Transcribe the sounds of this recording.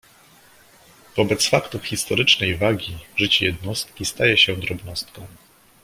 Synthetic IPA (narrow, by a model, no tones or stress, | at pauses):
vɔbɛt̪sfakt̪ufxʲist̪ɔɾɘt͡ʂnɛjvaɡʲiʐɘt͡ɕɛjɛd̪nɔst̪̚kʲist̪ajɛɕɛd̪ɾɔbnɔst̪kɔ̃w̃